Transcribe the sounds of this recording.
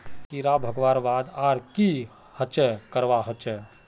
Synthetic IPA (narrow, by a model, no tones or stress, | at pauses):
kiɾabʱəɡʋaːɾʋaːd̪aːɾki | hət͡ʃəkəɾʋaɦət͡ʃə